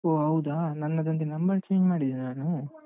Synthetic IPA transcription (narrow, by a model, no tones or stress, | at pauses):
oːɦɐwd̪aːnɐnːɐd̪ɐnt̪enɐmbɐɭt͡ʃeŋɡmaːɽid̪inaːnu